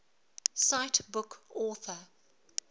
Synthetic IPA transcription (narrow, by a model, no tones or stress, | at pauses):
saɪtbʊkɔːˑθə